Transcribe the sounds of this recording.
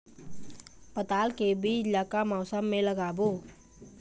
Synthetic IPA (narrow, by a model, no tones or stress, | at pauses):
pət̪aːlkebilaːkamɔːsəmːẽləɡaːboː